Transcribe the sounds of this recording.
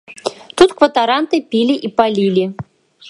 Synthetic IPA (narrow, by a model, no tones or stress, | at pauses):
t̪ut̪kvɐt̪aɾant̪ɨpʲilʲiʔipalʲilʲi